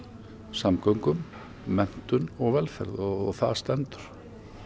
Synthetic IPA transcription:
samkœɥŋkʏmː | ɛn̥t̪ʏnɔɣvɛlfɛɾðɔɔɣθaðst̪ɛnt̪ʏ̥ɾ̥

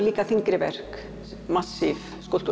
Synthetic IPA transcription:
liːkaθiŋkɾɪvɛ̰r̥k | masːɪv | skowlt̪u

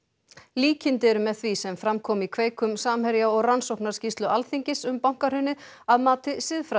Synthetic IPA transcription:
liːcɪnt̪ɪɛɾʏmɛðθvisɛmfɾamkʰɔːmikʰveːjkʏmsaːmhɛɾjaɔɣransowknaɾ̥scist̪lʏalθiɲcɪsʏmpawŋ̥kaɾ̥hʏnːɪaðmaːt̪ɪsɪðfɾa

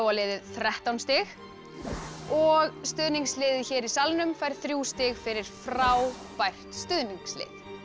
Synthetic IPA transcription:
walɪːðɪðθɾɛht̪awnst̪ɪx | ɔɣst̪ʏðniŋkslɪːðɪçɛːɾisalnʏmfajɾ̥θɾjuːst̪ɪɣfɪɾɪɾ̥fɾaːw | pajr̥t̪st̪ʏðniŋkslɪ̰ːð

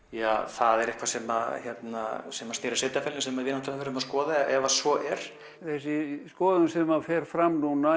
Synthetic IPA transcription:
jaːθaðɛɾɪhkvasɛmaçjɛt̪na̰sɛmast̪ɪːɾḁsɪt̪afɛlnsɛmaðvɪːnaht̪ɪɾafɛːɾʏmaðskɔːðaɛvasvɔʔɛɾ̥ | θɛsɪskɔːðʏmsɛmafɛːɾ̥fɾamnuna

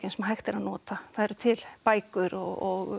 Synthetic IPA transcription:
cɪnsmaɦajxt̪ɪɾaðnɔːt̪aθaðɛɾʏt̪ʰɪlpaːjkʏɾɔɣɔɣ

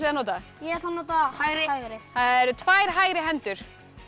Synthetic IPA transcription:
ɪðanoːt̪ajɛɛt̪lanot̪ahajɾɪjɾɪθaðɛɾt̪ʰvaːjɾ̥ɦaːjɾɪɦɛnt̪ʏɾ̥

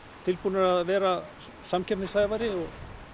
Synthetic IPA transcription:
t̪ʰɪlpunaɾaðvɛːɾa | samcʰɛpnɪsaːjðvaɾɪɔɣ

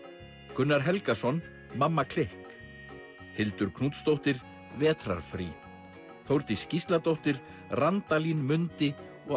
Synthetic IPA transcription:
kʏnːaɾ̥ɦɛlkasɔn | mamːakʰlehk | hɪlt̪ʏɾkʰnuːt̪st̪owht̪ɪɾ | vɛːt̪ɾa̰ɾ̥fɾḭ | θowɾt̪ɪscist̪lat̪owht̪ɪɾ̥ | rant̪alinmʏnt̪ɪ | ɔ

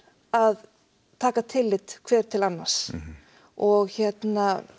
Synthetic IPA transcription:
að | t̪ʰaːkat̪ʰɪlːɪt̪kʰvɛːɾ̥t̪ʰɪlanːaɾ̥s | ɔɣçɛt̪na

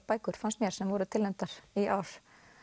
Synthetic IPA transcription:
paːjkʏɾ̥fanst̪mjɛɾ̥sɛmvɔɾʏt̪ʰɪlɛmt̪aɾ̥iʔaːwɾ̥

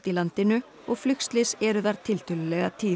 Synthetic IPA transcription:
t̪ilant̪ɪnʏ | ɔɣflʏkst̪lɪsɛɾʏðaɾ̥t̪ʰɪlt̪ʏlʏlɛɣat̪ʰiː

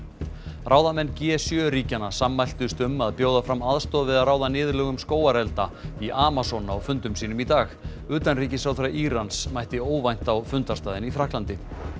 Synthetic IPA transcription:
rʔawðamɛnːcɛsjœːɾiːcanːasamːajl̥t̪ʏst̪ʏmːaðpjoːwðafɾamaðst̪ɔðvɪðaɾaːwðanɪːðɾlœːɣʏmskoːwaɾɛlt̪a̰iʔaːmasɔnaɔwfʏnt̪ʏmsiːnʏmit̪aːx | ʏːt̪anriːcɪsawθɾajʔiːɾansmajht̪ɪoːwvajn̥t̪awfʏnt̪ast̪aːðɪniθɾahklant̪ɪ

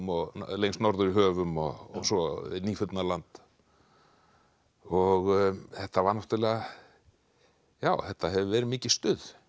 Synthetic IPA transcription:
mɔɣlejŋsnɔɾðʏɾiɦœːvʏmɔ̰ɔsɔniːfʏt̪nalant̪ | ɔɣθɛht̪ːavaɾnɔht̪alɛːɣa | jaːwθɛht̪ːaɦɛvʏvɛːɾɪmiːcɪst̪ʏð

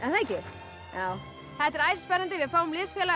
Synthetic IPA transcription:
alaːjcɪ | jaːw | θɛht̪ɛɾaːjsspɛɾant̪ɪvɪðfaːwʏmlɪːsfjɛːla

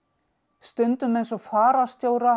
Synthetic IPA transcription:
st̪ʏnt̪ʏmejnsɔfaːɾast̪joːwɾa

